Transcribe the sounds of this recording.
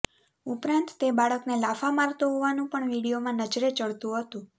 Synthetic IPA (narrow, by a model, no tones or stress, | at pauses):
upɾant̪ːebaɭəknelafamaɾt̪oɦoʋanũpəɳʋiɽijomãnəd͡ʒɾet͡ʃəɭt̪ũɦət̪ũ